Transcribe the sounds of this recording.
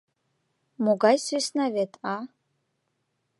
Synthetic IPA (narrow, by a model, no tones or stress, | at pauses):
muɡajsisnavetʰʼa